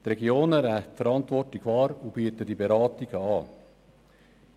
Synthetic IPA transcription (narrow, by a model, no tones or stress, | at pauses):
t̪ɾɛɡioːnæɾæfəɾɑnt̪ʋɔrtlɪkvɑːɾub̥yət̪ədibeɾɑːtiɡ̥əɑː